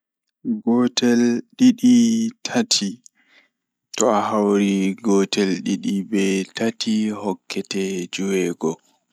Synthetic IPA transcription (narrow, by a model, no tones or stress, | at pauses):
ɡɔtɛlɗiɗitʰatʰi | tɔaɦawɾiɡɔtɛlɗiɗibɛtatʰihɔkʰːɛtɛd͡ʒuwɛːɡɔ